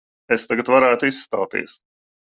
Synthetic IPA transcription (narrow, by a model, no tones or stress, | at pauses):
est̪aɡat̪vaɾæːt̪ʊisːt̪a̰wt̪ḭɛs